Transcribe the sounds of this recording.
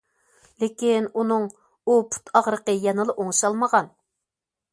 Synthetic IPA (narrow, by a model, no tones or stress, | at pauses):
lekʲinunɨŋ | upʰu̥t̪ʰɑʁɾəqəjɛnɨlˠɨʔoŋʃɑlˠməʁɑn